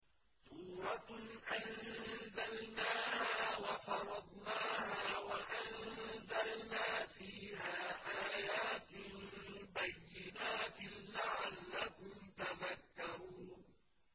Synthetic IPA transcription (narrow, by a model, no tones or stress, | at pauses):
suːɾɑʔanzalnaːhaːwɑfɑɾˤɑd̪ˤnaːhaːwaʔanzalnaːfiːhaːʔaːjaːt̪ɪlbajːɪnaːt̪ɪːaʕalːakʊmt̪aðakːɑɾuːn